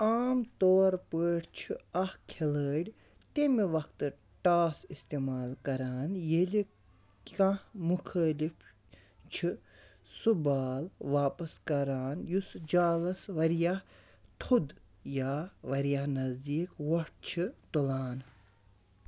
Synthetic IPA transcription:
aːmt̪oːɾpəːʈt͡ʃʰiɐhkʰeləːɽʲ | t̪emiʋɐkt̪ɨ | ʈaːsist̪eːmaːlkɐɾaːnjeli | kãmukʰəːlif | t͡ʃʰi | subaːlʋaːpɐskɐɾaːnjusd͡ʒaːlɐsʋɐɾjah | t̪ʰud̪ | jaːʋɐɾjahnɐzd̪iːkʋɐʈ̚t͡ʃʰit̪ulaːn

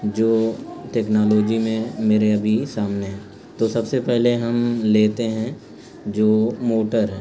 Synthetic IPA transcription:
d͡ʒoːʈɛːknaːloːd͡ʒimẽmeːɾeɐbʱisaːmneɦɛ̃ | t̪osɐbsepɛɦleɦɐmleːt̪eɦɛ̃ | d͡ʒoːmoːʈəɾɦɛ

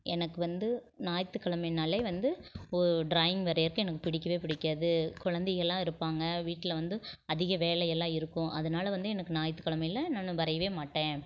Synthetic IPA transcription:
ʔɛnɐkːɯʋɐnd̪ɯ | naːjt̪ːɯkːɐɭɐmɐɪnɐlːɐɪʋɐnd̪ɯɔɾɯɖɾaːjɪŋɡʋɐɾɐjɐɾkɯɛnɐkːɯpɪɽɪkːɐʋeːpɪɽɪkːɐðɯkʊɻɐnd̪ɛjɛlːãːɪɾɯpːaːŋɡɐʋiːʈːɪlɐʋɐnd̪ɯɐðɪɣɐʋeːlɐjɛlːãːɪɾɯkːʊ̃ʔɐðɐnaːlɐʋɐnd̪ɯɛnɐkːɯnaːjɐt̪ːɯkːɐɭɐmɐɪjlɐnaːnːɯʋɐɾɐjɐʋeːmaːʈːẽː

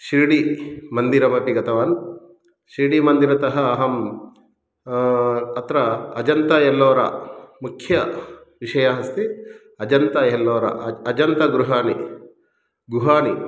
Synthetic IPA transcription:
ʃiːɽimɐnd̪iɾɐmɐpiɡɐt̪ɐʋaːn | ʃiːɽimɐnd̪iɾɐt̪ɐɦɐːɦɐm | ɐt̪ɾɐɐd͡ʒɐnt̪ɐjɛlːɐːɾɐ̰mukʰjɐ | ʋiʂɐjaːɦɐst̪i | ɐd͡ʒɐnt̪ɐjɛlːɐːɾɐ̰ʔɐd͡ʒɐnt̪ɐɡɾuɦaːni | ɡuɦaːni

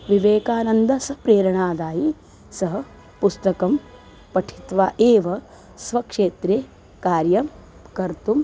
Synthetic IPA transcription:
ʋiʋeːkaːnɐnd̪ɐsɐpɾeːɾɐɳaːd̪aːji | sɐɦɐ̆ | pust̪ɐkɐm | pɐʈʰi̥t̪ʋaːʔeːʋɐ | sʋɐkʂeːt̪ɾeː | kaːɾjɐm | kɐɾt̪um

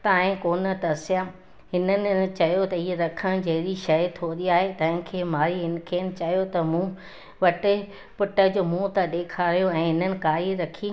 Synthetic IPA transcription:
t̪aːɦɪ̃koːnə̆t̪ɐsɪja | ɦɪnənɪ̆t͡ɕɐjot̪ɐiɦeɾɐkʰəɽ̃d͡ʑɐɦɪɾiʃɐjt̪ʰoːɗiaːɦet̪ɐ̃ɦɪ̃kʰeːmaːɾiɦɪnɪ̆kʰeːnɪ̆t͡ɕɐjot̪ɐmũː | ʋɐʈɪ | pʊʈə̆d͡ʑoːmũːt̪ɐɗeːkʰaːɾjoɛ̃ːɦɪnənɪ̆kaːɾiɾɐkʰi

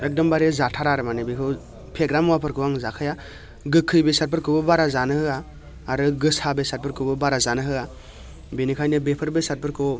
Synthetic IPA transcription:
ɛk̚dɔmbaɾezatʰaɾaɾɯmanebikʰɯ | pʰeɡɾamuwapʰɯɾkʰɯwaŋzakʰɯja | ɡɯkʰːɯjbesaɾ̚pʰɯɾkʰɯbɯbaɾazanɯhɯaː | ɾɯɡɯsabesaɾ̚pʰɯɾkʰɯbɯbaɾazanɯɦɯa | binikʰajnɯbepʰɯɾbesaɾ̚pʰɯɾkʰɯ

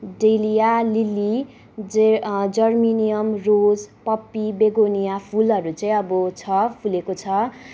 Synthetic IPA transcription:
ɖelijalili | d͡zʌrminijʌmrod͡zpʌpːibeɡonijapʰulʌɾut͡saĩʌbʌt͡sʰʌpʰulekot͡sʰʌ

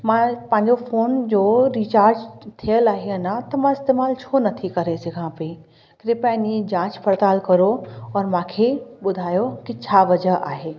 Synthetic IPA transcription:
mãpɐ̃ɦɪ̃ɲd͡ʑofoːnd͡ʑoːɾit͡ɕaːɾd͡ʑt̪ʰijəlaːɦeɐnãt̪ɐmãɪst̪eːmaːlt͡ɕʰoːnɐt̪ʰikɐɾesɐɡʱãpɐi | kɾɪpɛːnid͡ʑãːt͡ɕpʰɐɾt̪aːlkɐɾoɔːɾmãːkʰeɓʊd̪ʱaːjokit͡ɕʰaːʋɐd͡ʑəɦa̰ːɦeː

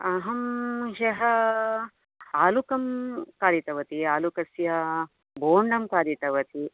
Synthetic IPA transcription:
ɐɦɐmɦɐɦɐ | aːlukɐmkaːd̪it̪ɐʋɐt̪iaːlukɐsjɐ | boːɳɖɐmkaːd̪it̪ɐʋɐt̪i

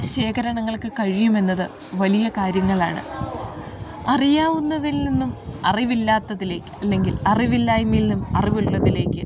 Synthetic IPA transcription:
ɕe̞ːkɐɾɐɳɐŋːɐɭkɨkɐɻijume̞nːɐðɨ | ʋɐlijɐkaːɾjɐŋːɐɭa̰ːɳɨ̰ | ɐrijaːʋunːɐðilninːumɐriʋilːaːt̪ːɐðile̞ːkːɨ̥ɐlːe̞ŋɡilɐriʋilːaːjmilnumɐriʋuɭːɐðile̞ːkʲːɨ

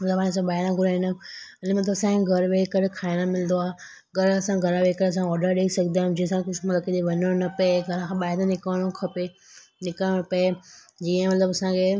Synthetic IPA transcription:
mɐt̪ləbaːɽ̃ẽs̬ãbaːɦɪɾãɡʱʊɾaɪnəɐnmɐt̪ləbɐsãkʰɡʱɐɾʋeːkəɾkʰaːɪɽ̃amɪlɪ̃nd̪oaː | ɡʱɐɾɐsãɡʱɐɾaʋeːkəɾɐs̬ãɔːɾɖəɾɗeːisɐɡʱnd̪ãːd͡ʑĩːə̃sãkkʊd͡ʑmɐt̪ləbkɐd̪iʋɐɲəɽ̃onɐpeɡʱɐɾãkʰãɓaːɪd̪ãnɪkaɽ̃õkʰɐpe | nɪkãpɐe | d͡ʑiːə̃mɐt̪ləbɐsãkʰe

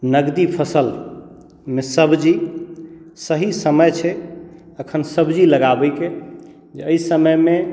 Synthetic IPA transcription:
nəɡd̪ipʰəsəl | mesəbʱd͡ʒi | səɦisəməjt͡ʃʰɛ | əkʰənsəbʱd͡ʒiləɡabəke | d͡ʒeəisəməjme

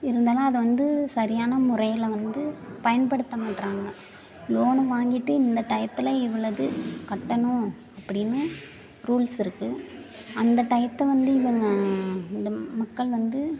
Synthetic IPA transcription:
ɪɾɯnd̪aːlãːɐðɯʋɐnd̪ɯsɐɾɪjaːnɐmʊrɐjɪlʋɐnd̪ɯpɐjɐnpɐɽɯt̪ːɐmaːʈːɾaːŋɡɐ | loːnɯʋaːŋɡɪʈːɯɪnd̪ɐʈɐjɐt̪ːɪlɐɪʋɯɭːɐðɯkɐʈːɐɳõ | ɐpːɐɽɪnːɯ | ɾuːlsɪɾɯkːɯ | ɐnd̪ɐʈɐjɐt̪ːɐʋɐnd̪ɯɪʋɐŋɡɐɪnd̪ɐmɐkːɐɭʋɐnd̪ɯ

